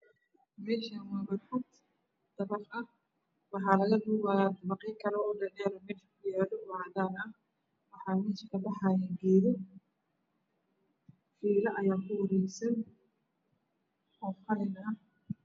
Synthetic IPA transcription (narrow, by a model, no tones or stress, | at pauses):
mɛːʃɐmɐβɐʊt̪ | d̪̥ɐβɐfɐh | wɑħɑːlɐɣɐd̪uːβaːjaːd̪bɑqɛjŋkʰɐɾɔɔːdɐdɛːɾɐmɛːʃɐkʰʊjaːðɔwaːd̪aːnɐ | wɑħɑːmɛːʃɐkʰɐbɑħɑːjaːŋɡɛːðɪ | fiːlɐʔɐjaːkʰʊwɑɾɛjsɐn | ɔːfɐlɪnɐɐ